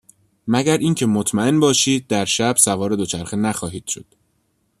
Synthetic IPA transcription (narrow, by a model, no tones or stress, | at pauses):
mæɟæɾʔiːŋcʰe̞mot̪ʰmæe̞nbɒːʃiːd̪̚ːæɾʃæb̥sævɒːɾe̞d̪o̞t͡ʃʰæɾxenæxɒːɦiːd̪̥ʃod̪̥